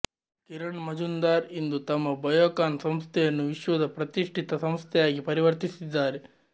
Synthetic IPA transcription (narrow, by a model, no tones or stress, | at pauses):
kiɾɐɳmɐd͡ʒund̪aːɾind̪ut̪ɐmːɐbɐjoːkaːnsɐmst̪ʰɛjɐnːuʋiʃʋɐd̪ɐpɾɐt̪iʂʈʰit̪ɐsɐmst̪ʰɛjaːɡipɐɾiʋɐɾt̪isid̪ːaːɾe